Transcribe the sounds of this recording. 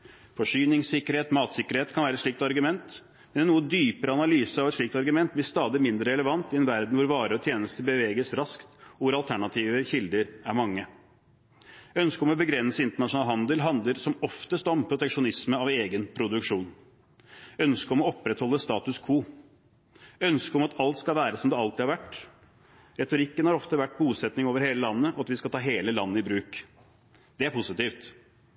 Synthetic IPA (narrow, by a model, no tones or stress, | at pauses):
fɔʂyːnɪŋsɪkːəɾheːt̪mɑːt̪sɪkəɾheːt̪kʰɑnʋæːɾəɛt̪ʂɭik̚t̪ɑɾɡʉmɛnt̪ | mɛnnuːəd̪yːpəɾəɑnɑlyːsəɑʋɛt̪ʂɭik̚t̪ɑɾɡʉmɛnt̪̚b̪ɪst̪ɑːd̪ɪmɪnd̪ɾəɾɛləʋɑnt̪ɪɛnʋæɾd̪n̩ʋʊɾʋɑːɾəɔt̪ʰjeːnəst̪əbəʋeːɡəsɾɑskt̪ɔʋʊɾɑlt̪ʰæɳɑt̪ʰiːʋəçɪld̪əɾæɾmɑŋːə | œnskəɔmɔbəɡɾɛnːsəɪnt̪əɳɑʂʊnɑːlɦɑnd̪əlɦɑnd̪ləɾsɔmɔft̪əst̪ɔmpʰɾʊt̪ɛkʂʊnɪsməɑʋeːɡənpʰɾʊd̪ʉkʂuːn | œnskəɔmɔɔpːɾɛt̪hɔlːəst̪ɑːt̪ʉskʰuː | œnskəɔmɑt̪ʰɑlt̪skɑlʋæːɾəsɔmd̪ɛɑlt̪ɪhɑɾʋæʈː | ɾɛt̪ʊɾɪkːənhɑɾɔft̪əʋæʈ̚ːbuːsɛt̪nɪŋoːʋəɾheːləlɑnːəʔɔɑt̪ʋɪskɑlt̪ɑːɦeːləlɑnːəɪbɾʉːk | d̪̥ɛæɾpʰʊsɪt̪iːft̪